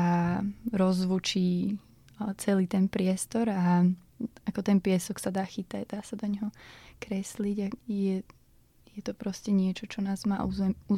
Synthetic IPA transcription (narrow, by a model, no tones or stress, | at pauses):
aɾɔzʋut͡ʃiː | t͡sɛliːt̪ɛnpɾɪɛst̪ɔɾa | akɔt̪ɛnpɪɛsɔksad̪aːxit̪aɟd̪aːsad̪ɔɲɦɔkɾɛsliɟajɛ | jɛt̪ɔpɾɔscɛɲɪɛt͡ʃɔt͡ʃɔnaːzma̰ːʔuu